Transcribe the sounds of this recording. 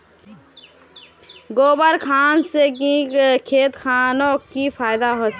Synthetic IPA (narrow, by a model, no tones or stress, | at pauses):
ɡoːbəɾkʰaːnsekikʰeːt̪kʰaːnokipʰaːjd̪aɦot͡ʃʰ